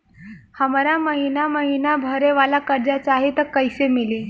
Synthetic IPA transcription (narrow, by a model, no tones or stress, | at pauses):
həmɾaməɦinaməɦinabʱəɾeʋalakəɾd͡ʑat͡ɕaɦet̪əɾkːəjsemili